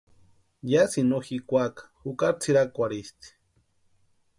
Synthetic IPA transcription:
jasinoxikʷakḁxukaɾt͡sʰiɾakʷaɾist̪i̥

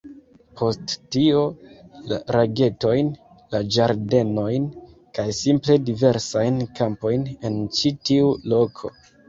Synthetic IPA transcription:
pʰo̞sttio̞la̰ɾaɡe̞to̞jn | lad͡ʒaɾde̞no̞jn | kajsimple̞dive̞ɾsajnkʰampo̞jne̞nt͡ʃitiulo̞kʰo̞̰

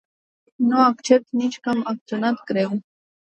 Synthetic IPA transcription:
noakt͡ʃep̚t̪nit͡ʃkamak̚t͡sonat̪kɾew

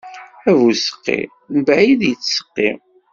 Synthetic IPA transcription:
ævusə̥qːḭ | nbæʕiðjət͡sːsə̥qːḭ

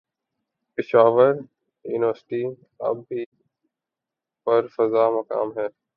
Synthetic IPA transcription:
pɪʃaːʋəɾ | jṵːnɪʋəɾsʈi | ɐ̰bːi | pɐɾfɐzaːmɐka̰ːmɦɛː

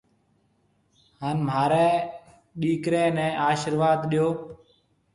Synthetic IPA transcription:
haːnmaːɾɛː | ɗiːkɾẽːnɛ̃ːʔaːʃəɾʋaːd̪ɗijoː

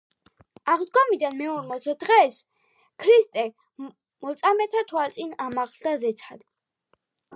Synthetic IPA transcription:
aʁd̪ɡɔmid̪anmɛɔɾmɔsʰɛd̪̥ʁɛs | kʰɾist̪ʼɛ | mɔt̪sʼamɛt̪ʰat̪ʰwalt̪sʼinamaχld̪azɛt̪sʰad̪̥

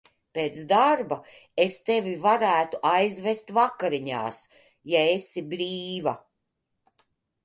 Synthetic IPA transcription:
peːt̪sd̪aɾba | est̪evivaɾæːt̪uʔajzvest̪vakːaɾiɲa̰ːs | jaesibɾiːva̰

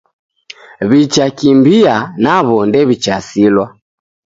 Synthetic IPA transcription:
βit͡ʃakimbianaβɔndɛβit͡ʃasilwa

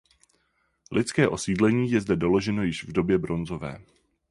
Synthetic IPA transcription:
lʔɪt͡skɛːʔo̞siːdlɛɲiːjɛzdɛdo̞lo̞ʒɛno̞jɪʃvdo̞bjɛbɾo̞nzo̞vɛ̰ː

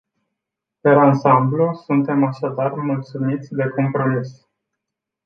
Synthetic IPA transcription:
peɾansamblusunt̪e̞maʃad̪armult̪sumit̪sʲd̪e̞ko̞mpɾo̞mis

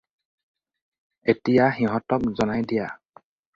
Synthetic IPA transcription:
etijaxiɦɔtɔk̚zɔnajdija

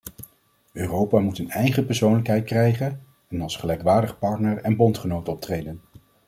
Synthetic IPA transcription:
øːrowpaːmutənɛjχəpɛɹsownləkɦɛjt̚krɛjχən | ɛnɑlˠsχəlɛjkʋaːɹdəχpɑɹtnəɹɛnbɔntχənowtɔp̚trejdən

